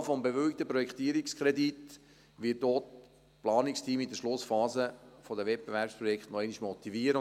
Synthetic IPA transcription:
fɔmbeʋʏlk̚t̪əpɾɔjɛkχt̪iəɾikskχɾɛdit̪ | ʋɪːt̚d̥oːt | plɑːnikstʰiːmidəʃlʊsfɑːzəfod̪əvɛt̚b̥eʋæɾpspɾɔjɛkχtnɔɛɪniʃmɔt̪iviəɾə

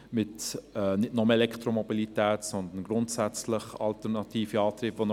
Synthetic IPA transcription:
mɪtɛnɪdnɔmɛlɛkʰtɾomobilitɛːtsɔnd̪ənɡɾʊntsæt͡slɪχɑltəʁnɑtiːfəɑːt̪ɾiːpvon

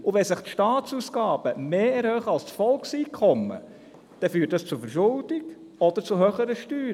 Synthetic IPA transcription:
ʊʋɛsɪχt̪ʃtɑːt̪t͡susɡɑːb̥əmeːɛɾhøːχəɑlst͡sfɔlksiːkʰɔmːə̰ | d̪̥ɛfyːtdɑst͡sʊfəɾʃʊld̥̪ɪɡ | ɔd̥̪əɾt͡sʊɦøχəɾəʃtyːɾ

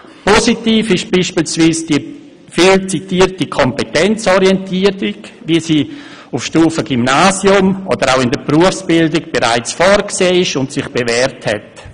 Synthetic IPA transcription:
pɔsitiːfɪʃb̥iːʃpiːlsviːsd̥i | fiːlt͡sitiːɾtikʰɔmpetɛnt͡sɔɾiɛntiːətiɡʋiəsiː | ufʃtuːfəɡ̥ymnaːsjʊmo̰dəɾaʊɪndəbɾuəfsb̥ɪldɪɡ̚b̥eɾa̰ɪt͡sfɔːɾkseːɪʃʊntsɪχb̥evɛːɾthɛ̰t

